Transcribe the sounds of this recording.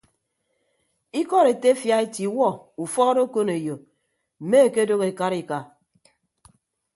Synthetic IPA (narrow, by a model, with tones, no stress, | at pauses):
i˦kɔ˦ɾe˨te˦fja˦e˦ti˨˦wɔ˦u˨fɔ˦ɣo˦do˦ko˦ne˨jo˨ | m̩˨me˦e˨ke˦do˦ɣe˨ka˦ɾi˨ka˨